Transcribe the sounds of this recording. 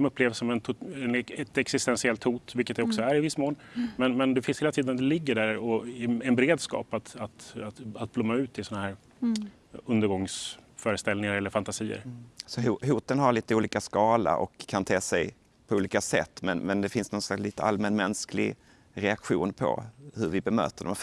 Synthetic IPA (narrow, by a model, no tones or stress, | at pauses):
d̪ɔmɵpːleːvsɔmɛnʰɛnɛt̪ɛksɪst̪ɛnsɪɛlt̪huːt̪vɪlkət̪d̪ɛɔksɔæɾɪvɪsːmoːlmɛnmɛnd̪ɛfɪnsheːlat̪ʰiːd̪ənad̪ɛlɪɡːəɖæɾɔɛnbɛɾeːd̪skɑ̰ːpat̪at̪aat̪̚blɔmːaʉ̟ːt̪ʰːɪsɔnahæːɾ | ɵnd̪əɾɡɔŋsfœːɾəst̪ɛlnɪŋaɾɛlːəɾfant̪asiːə̰ɾsɔhuɦuːt̪ənɦaɾɭiːt̪əuːliːkaskɑːla̰ɾʔɔ̰kʰːant̪ʰeːsɛj | pʰɔuːliːkasɛ̰t̪ːmɛnmɛnd̪ɛfɪnsnɔnslaksliːt̪əalmɛnmɛnsklɪ̰ɡ | ɾɛakɧuːnpʰɔ̰hɵɾvɪbɛmø̰ːt̪əɖɔ̰m